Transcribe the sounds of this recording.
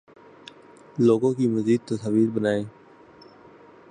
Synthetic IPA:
loːɡõːkiːməziːd̪̚t̪əsaʋiːɾbənaːeː

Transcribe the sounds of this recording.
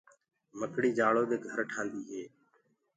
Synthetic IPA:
məkɽiːd͡ʒaːɭoːd̪eːɡʱəɾʈʰãːnd̪iːɦeː

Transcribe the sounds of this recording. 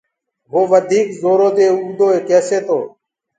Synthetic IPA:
ɦoːʋəd̪ʱiːkzoːɾoːd̪eːʊuɡd̪oːeːkɛːseːt̪ʰoː

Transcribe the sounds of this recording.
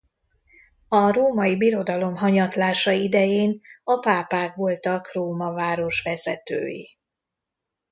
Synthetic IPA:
ɒroːmɒjibiɾo̞d̪ɒlo̞mɦɒɲɒt̪laːʃɒid̪ɛjeːnɒpaːpaːkʋolt̪ɒkroːmɒvaːɾo̞ʃʋɛzɛt̪ø̰ːjḭ

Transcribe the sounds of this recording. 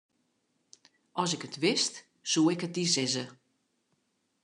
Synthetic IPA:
ʔɔsɪkətʰʋɪst | suːɪkət̚disɪzə

